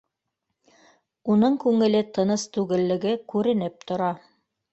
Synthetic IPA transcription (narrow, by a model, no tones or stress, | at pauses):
unɤɴkʉŋɘ̆lɘt̪ʰɤ̆nɤst̪ʉɡɘ̆lːɘ̆ɡɘkʉɾɘ̆nɘp̚t̪ŏɾɑ